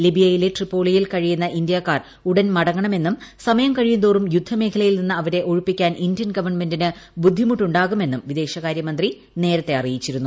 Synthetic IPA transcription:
libijɐjileʈripːo̞ːɭijilkɐɻijunːɐʔindjaːkːaːr | uɽɐnmɐɽɐŋːɐɳɐme̞nːumsɐmɐjɐmkɐɻijund̪oːrumjud̪ʱːɐme̞ːkʰɐlɐjilninːɨɐʋɐɾe̞ʔoɻupːikʲːaːnindjɐnɡɐʋɐɳme̞ndinɨbud̪ʱːimuʈːuɳɖaːɣume̞nːumʋid̪e̞ːɕɐɣaːɾjɐmɐnd̪ri | ne̞ːɾɐt̪ːe̞ɐrijit͡ɕːiɾunːu

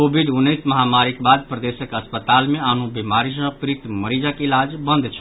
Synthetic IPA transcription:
obʱiɖunːəsməɦamaɾikbad̪̚pɾəd̪esəkəspət̪almeanubemaɾis̬ə̃pɾit̪məɾid͡ʒakilad͡ʒbənd̪t͡ʃʰ

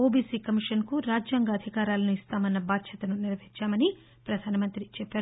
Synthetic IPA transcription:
oːbiːsiːkɐmiʂɐnkuɾaːd͡ʒjaːŋɡaːd̪ʱikaːɾaːlɐnuist̪aːmɐnːɐbaːt̪ʃʰɐt̪ɐnuniɾʋɐɦiɲt͡ʃaːmɐni | pɾɐd̪ʱaːnɐmɐnt̪ɾit͡ʃɛpːaːɾu

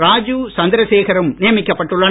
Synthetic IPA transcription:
ɾaːd͡ʒusɐnd̪ɐɾɐseːɣɐɾɯmnɪjɐmɪkːɐpːɐʈːɯɭːɐ

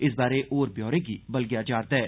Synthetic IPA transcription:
ɪsbaːɾeʔoːɾbjɔːɾẽkibɐlɡjad͡ʒaːɾt̪ɛː

